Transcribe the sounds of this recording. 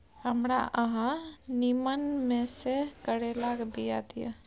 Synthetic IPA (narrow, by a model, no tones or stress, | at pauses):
həmɾa̰ʔəɦãnimənmẽsekəɽelaɡbʱija̰d̪ija̰